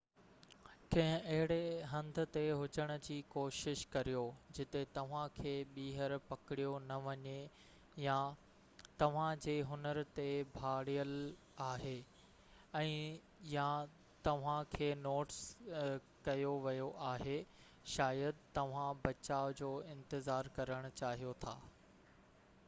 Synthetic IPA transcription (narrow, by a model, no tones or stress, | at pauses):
kɐ̃ɦɪ̃ʔɐɦɪɽeɦɐ̃nd̪ʱʊ̆t̪eɦʊd͡ʑəɽ̃ə̆d͡ʑiːkoːʃɪʃkɐɾijod͡ʑɪt̪et̪ɐʋ̤ãkʰeːɓiːɦəɾpɐkɪɽijonɐʋɐɲe | ja | t̪ɐʋ̤ãd͡ʑeːɦʊnəɾt̪ebʱaːɽijəl | aːɦe | ɛ̃ː | ja | t̪ɐʋ̤ãkʰeːnoːʈs | kɐjoʋɐjoʔaːɦe | ʃaːjəd̪t̪ɐʋ̤ãbɐt͡ɕaːʊd͡ʑoːɪ̃nt̪ɪzaːɾkɐɾəɽ̃ʊ̆t͡ɕaːɦijot̪ʰa̰ː